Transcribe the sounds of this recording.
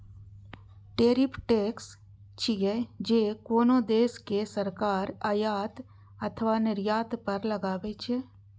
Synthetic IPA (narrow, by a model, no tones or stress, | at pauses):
ʈeːɾɪpʰʈeːks | t͡ʃʰiɦɛd͡ʒeːkoːnõd̪eːskesəɾkaːɾajaːt̪ | ət̪ʰʋaːnɪɾjaːt̪pəɾləɡaːʋet͡ʃʰɛ